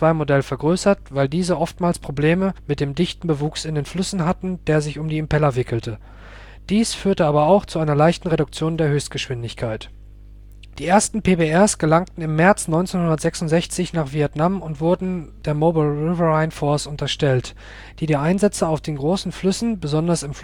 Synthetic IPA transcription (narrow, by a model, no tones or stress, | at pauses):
t͡sv̥aɪmodɛlfɛɐɡʁøːsɐtv̥aɪldiːzəʔɔftmaːlspʁ̥obleːməmɪt̚d̥eːmdɪçtn̩bəvuːksɪndeːnflʏsn̩ɦatn̩d̥eːɐzɪçʊmdiːɛmpɛlɐvɪkl̩tʰə | d̥iːsfyːɐtəaːbɐaʊxt͡suʔaɪnɐlaɪçtn̩ʁedʊk̚t͡sjoːndeːɐɦøːçst̚ɡ̥əʃv̥ɪndɪçkʰaɪt | d̥iːʔeːɐstn̩pʰeːbeɛsɡ̥əlaŋktn̩ɪmːɛɐt͡snɔʏnt͡seːnhʊndɐtz̥ɛksʊntz̥ɛçt͡sɪçnaːχv̥iɛtnamʊntv̥ʊɐdn̩d̥eːɐmoːbalʁɪvəʁaɪnfɔɐsʊntɐʃtɛlt | d̥iːdiːʔaɪnzɛt͡səaʊfd̥eːnɡʁoːsn̩flʏsn̩bəzɔndɐsɪmf